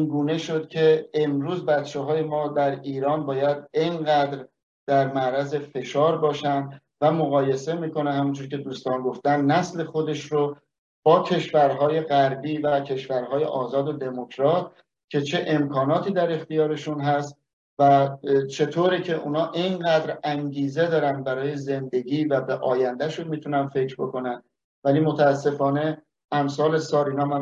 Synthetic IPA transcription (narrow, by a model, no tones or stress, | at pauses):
inɡuːne̞ʃo̞d̪̥cʲʰe̞ːmɾuːzbæt̪t͡ʃeɦɒːje̞mɒːd̪æɾiːɾɒːnbɒːjæd̪enɢæd̪ɾ | d̪̥æɾmæɾæze̞fe̞ʃɒːɾbɒːʃænd̪ | væmoɣɒːje̞se̞miːko̞nehæmund͡ʒoɾcʰe̞d̪uːst̪ɒːnɡo̞ft̪ænd̪næsle̞xo̞d̪e̞ʃɾo | b̥ɒːcʰe̞ʃvæɾɦɒːje̞ɣæɾbiːvæcʰe̞ʃvæɾɦɒːje̞̰ʔɒːzɒːd̪od̪e̞mo̞kʰɾɒːt̪̚ʰ | cʲʰe̞t͡ʃʰe̞ʔe̞mkʰɒːnɒːt̪ʰiːd̪æɾe̞xt̪ijɒːɾe̞ʃunɦæst̪ | væt͡ʃʰe̞t̪ʰoːɾicʰe̞ʔuːnɒːʔinɢæːd̪ɾæŋɟiːze̞d̪ɒːɾæn̚bæɾɒːje̞ze̞nd̪e̞ɟiːvæbeʔɒːjænd̪æʃunmiːt̪ʰunænfe̞cɾbo̞ko̞nænd̪ | væliːmo̞t̪ʰæːsːe̞fɒːne̞ | æmsɒːle̞sɒːɾiːnɒːmæn